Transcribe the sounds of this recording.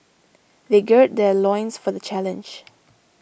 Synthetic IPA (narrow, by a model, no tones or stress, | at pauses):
ðeɡɜt̚d̪ɛlɔ̃j̃nsfɔðət͡ʃɛlə̃nd͡ʒ